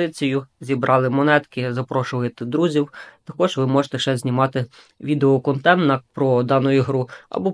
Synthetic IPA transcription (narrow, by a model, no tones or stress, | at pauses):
ɪt͡sʲijʊzʲibɾʔɑlˠɪmɔnɛt̪kɪzɐpɾɔʃʊʋɐjet̪ɪd̪ɾuzʲiwt̪ɐkɔʒʋɪmɔʒet̪ɛʃɛzʲnʲimɑt̪ɪ | ʋʲid̪eɔkɔnt̪ɛnnɐpɾɔd̪ɑnʊjiɦɾuɐ̰bɔ